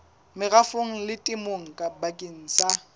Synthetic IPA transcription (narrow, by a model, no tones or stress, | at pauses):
mɪɣafoŋ̩lɪtʼɪmoŋ̩kʼabakʼɪn̩ːsa